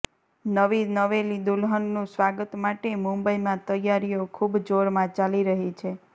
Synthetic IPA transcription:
nəʋinəʋelid̪ulɦənːũsʋaɡət̪maʈemũmbəimãt̪əjaɾijokʰubd͡ʒoɾmãt͡ʃaliɾəɦit͡ʃʰe

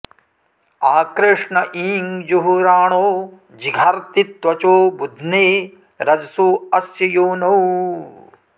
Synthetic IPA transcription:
aːkɾɪʂɳɐʔiːŋd͡ʒuɦuɾaːɳoː | d͡ʒiɡʱɐɾt̪it̪ʋɐt͡ʃoːbud̪ʱneː | ɾɐd͡ʒɐsuːɐsjɐjoːnɐw

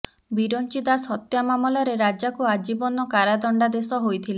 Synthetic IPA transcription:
biɾɔnt͡ʃid̪asɦɔt̪jamamɔlɔɾeɾad͡ʒakuad͡ʒibɔnɔkaɾad̪ɔɳɖad̪esɔɦojt̪ʰile

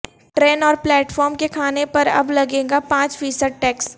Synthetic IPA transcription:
ʈɾeːnɔːɾplɛːʈfɔːɾmkekʰaːnepɐɾɐ̰blɐɡẽːɡapãːt͡ʃfiːsəɖ̚ʈɛːks

